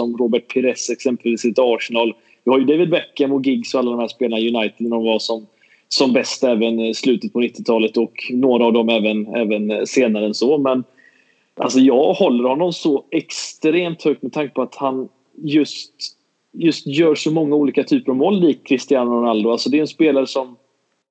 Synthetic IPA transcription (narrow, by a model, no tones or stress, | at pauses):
ɔmɾoːbəʈ̚pʰɛɾɛsɛksɛmpəlviːsɪt̪ɑːʂɛnɑːl | vɪhaɾjɵd̪ɛɪvɪd̪bɛkːəmɔt̪̚ɡɪɡsɔalːd̪ɔmhæːʂpeːlanajɵnajt̪ɪd̪nd̪ɔmvaʂɔm | sɔmbɛst̪ɛːvənslʉ̟ːt̪ət̪̚pʰɔnɪt̪ːɪt̪ʰɑːlət̪ɔknoːɾaːvd̪ɔmɛːvənɛ̰ːvənseːnaɾəɛnsɔmɛn | ʔa̰ls̬ɔjɑːɡhɔlːəɾhɔnːɔmsɔɛkst̪ɾeːmt̪hœk̚t̪mɛt̪ʰaŋkəpʰɔat̪han | jɵst̪ | jɵst̪jœːʂɔmɔŋːauːliːkat̪ʰyːpəɾavmɔːlːiːkʰːɾɪst̪ɪanɾʊnald̪ʊalsɔd̪ɛʉɛnspeːlaɾəʂɔm